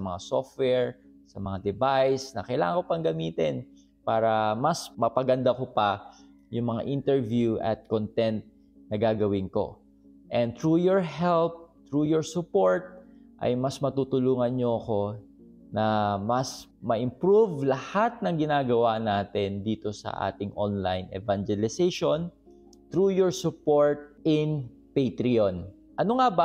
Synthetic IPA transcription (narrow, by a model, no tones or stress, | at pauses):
sɐmɐŋa̰soft̪̚wɛɹsɐmɐŋad̪ɛbajsnɐkɐjla̰ːŋɐŋkopɐŋɡɐmiːt̪ɪn | paːɾɐmɐsmɐpɐɡɐnd̪akopɐ | jʊŋmɐŋa̰ʔɪnt̪ɛɹvjuʔɐ̰t̪̚kont̪ɛnt̪̚ | nɐɡaːɡɐwɪnko̞̰ | ʔɛn̚t̪ɹujoɹhɛlp̚t̪ɹuːjɔɹsʊpo̞ɹt̪̚ʔɐ̰jmɐsmɐt̪uːt̪ʊluːŋɐnɲoɐko̞ | nɐmɐsmɐʔɪmpɾuvlɐhat̪̚nɐŋɡɪnaːɡɐwanaːt̪ɛnd̪iːt̪o̞sɐ̰ʔa̰ːt̪ɪŋʔo̰nla̰jnʔɛ̰vand͡ʒɛlɪsejʃon | t̪ɾujɔɹsʊpoɹt̪̚ʔɪn | pejt̪ɾɪon | ʔɐnoŋaba